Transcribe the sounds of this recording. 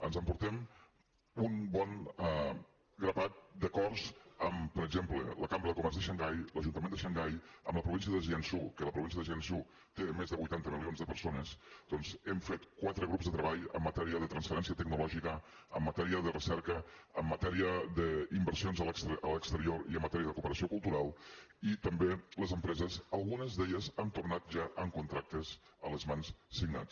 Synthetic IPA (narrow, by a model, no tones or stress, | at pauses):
ənzəmpuɾt̪ɛm | unbɔn | ɡɾəβat̪̚d̪əkɔrzəmpəɾəɡ̚zemplə̰ləkambɾəðəkumɛɾzðəʃəŋɡajləʒunt̪əmend̪əʃəŋɡajə̰mləpɾuβinsijəðəʒiɛnsukələpɾuβins̬jəðəʒɛnsu | t̪emezðəβujt̪ant̪əmilˠionzðəpəɾsonəsd̪̥ɔnzɛmfet̪kwat̪ɾəɣɾupzðət̪ɾəβaʎə̰mːət̪ɛɾiəðət̪ɾənsfəɾɛnsiət̪əɡnulɔʒikə | əmːət̪ɛɾiəðərəsɛɾkəəːmːət̪ɛɾiəd̪əimbəɾsionzələksələkst̪əɾioɾiəmːət̪ɛɾiəðəkupəɾəsiokulˠt̪uɾalˠit̪əmbeləzəmpɾɛzəzəlˠɣunəzðeʎəzənt̪urnat̪̚ʒaʔəŋkunt̪ɾak̚t̪əz | ələzmanssiɡna̰t͡s